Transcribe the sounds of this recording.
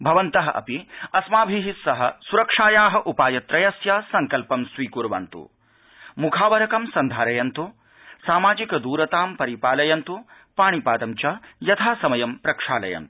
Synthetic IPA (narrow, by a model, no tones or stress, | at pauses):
bʱɐʋɐnt̪ɐɦɐʔɐ̰piɐsmaːbʱiɦisɐɦɐsuɾɐkʂaːjaːɦɐʔupaːjɐt̪ɾɐjɐsjaːsɐŋkɐlpɐmsʋiːkuɾʋɐ̰nt̪ṵ | mukʰaːʋɐɾɐkɐmsɐnd̪ʱaːɾɐjɐnt̪u | saːmaːd͡ʒikɐd̪uːɾɐt̪aːmpɐɾipaːlɐjɐnt̪u | paːɳ̃ipaːd̪ɐmt͡ʃajɐt̪ʰaːsɐmɐjɐmpɾɐkʂa̰ːlɐ̰jɐ̰nt̪u̥